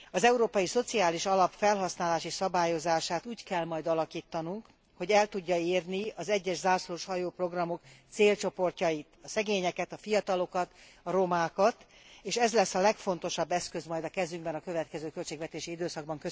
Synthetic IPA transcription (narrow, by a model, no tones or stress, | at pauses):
ɒzɛuɾoːpɒjiso̞t̪siaːliʃɒlɒpfɛlɦɒsnaːlaːʃisɒbaːjo̞zaːʃaːt̪uːckɛlmɒjd̪ɒlɒkiːt̪ːɒnuŋk | ho̞ɟɛlt̪uɟːɒeːrniɒzɛɟːɛʃzaːsloʃhɒjoːpro̞ɡrɒmo̞kt̪seːlt͡ʃo̞po̞rcɒjit̪ɒsɛɡeːɲɛkɛt̪ɒfijɒt̪ɒlo̞kɒt̪ɒɾo̞maːkɒt̪eːʃɛzlɛsːɒlɛkfo̞n̪t̪o̞ʃɒbːɛskø̞zmɒjd̪ɒkɛzyŋɡbɛnɒkø̞vɛt̪kɛzøːkølt͡ʃeːɡvɛt̪eːʃiid̪øːsɒɡ̚bɒŋkø